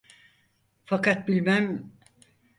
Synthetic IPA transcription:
fakat̪̚bilʲmæm

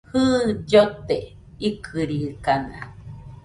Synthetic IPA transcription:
hɨd͡ʒot̪e | ikʰɨɾikana

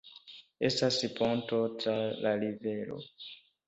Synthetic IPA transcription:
estasipontotalalivelo̰

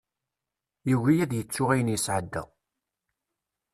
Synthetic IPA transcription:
juwijæðjət͡sːʊʁæjənjəsʕəd̪ːæ̰

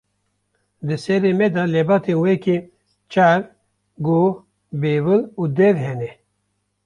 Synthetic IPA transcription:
d̪ɨsɛɾemɛd̪alebɑːt̪ʰenweke | t͡ʃaɾ | ɡo | beːvɨluːd̪ɛɾɦɛnɛ

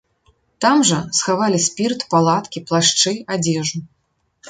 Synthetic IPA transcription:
t̪amʐɐsxavalʲisʲpʲirt̪palˠat̪kʲiplˠaʂt͡ʂɨad͡zʲɛʐu

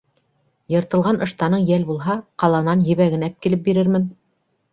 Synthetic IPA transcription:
jɤ̆ɾt̪ɤ̆lˠʁɑnɤ̆ʃt̪ɑnɤɴjælbulˠɦɑqɑlˠɑnɑnjɘ̆βæɡɘ̆næp̚kilɘp̚biɾɘɾmɘn

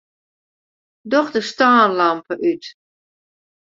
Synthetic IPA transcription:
dɔχdəstaːnlampəʔyt

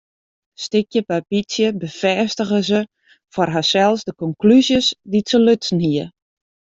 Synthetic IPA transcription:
stɪkjəpapisjəbəfɛːstəɣəzə | farɦasɛlˠsdəkɔŋklyzjəsditsəløtsn̩hiə

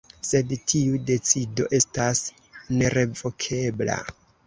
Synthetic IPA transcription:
se̞dtʰiude̞t͡sido̞ʔe̞stas | ne̞ɾe̞vo̞kʰe̞bla̰

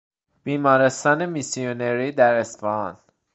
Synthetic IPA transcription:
b̥iːmɒːɾest̪ɒːnemisioneɾiːd̪æɾesfɒɒn

